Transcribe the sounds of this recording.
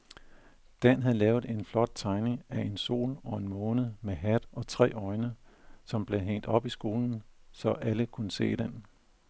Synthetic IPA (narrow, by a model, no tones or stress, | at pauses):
d̥ænɦæð̩ˠlɛːʊð̩ˠe̝nflɒ̽d̥̚t͡sʰɑ̈ɪne̝ŋæe̝nso̝̰ːlɒ̽e̝nmɔ̽ːnəð̩ˠmeɦæd̥ɒ̽t͡sʰʁɛ̰ːɒ̽ɪnəsɒ̽mb̥le̝ɦeŋ̰d̥ɒ̽b̥isɡ̥o̝ːln̩sɒ̽ʔæləkʰunəse̝̰ːd̥en